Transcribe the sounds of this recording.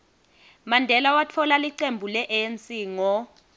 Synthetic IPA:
mandʱɛlawatʰɔlaliǀembʱulɛʔent͡sʼiŋɔ

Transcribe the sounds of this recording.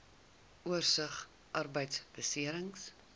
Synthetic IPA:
ʔuərsəχ | ʔɐrbəjtsb̥əsiəɾəŋs

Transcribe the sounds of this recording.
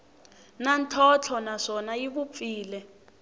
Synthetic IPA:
nantʰɔt͡ɬʰɔnaʂɔnajiβup̪fiːlɛ

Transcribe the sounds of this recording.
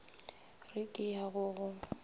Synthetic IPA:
rɪkʼɪjaɣʊɣʊ

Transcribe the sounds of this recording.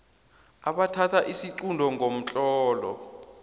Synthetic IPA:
aɓatʰatʰaʔisiǀundʱɔŋʱom̩t͡ɬʼɔːlɔ̰

